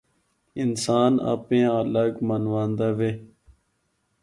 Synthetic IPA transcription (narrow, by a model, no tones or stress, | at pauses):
ɪnsaːna̰pẽːələɡmənʋãːnd̪aːʋeː